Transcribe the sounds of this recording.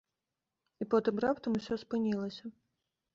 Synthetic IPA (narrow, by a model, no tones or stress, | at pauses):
ipɔt̪ɨmrapt̪ɐmusʲɔspɨnʲilˠɐsʲɐ